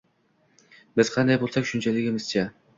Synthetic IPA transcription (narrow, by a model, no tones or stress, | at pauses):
bɪz̥qʰɑnd̪ɑjbolˠsakʲʃʊnt͡ʃʰælɪɡʲɪmɪz̥t͡ʃʰa